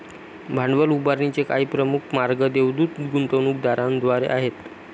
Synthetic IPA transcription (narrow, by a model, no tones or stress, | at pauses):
bʱaɳɖʋəlubaɾɳit͡sekaiːpɾəmukʰmaɾɡəd̪eʋd̪uːt̪ɡunt̪əñuk̚d̪aɾãnd̪ʋaɾḛʔaɦet̪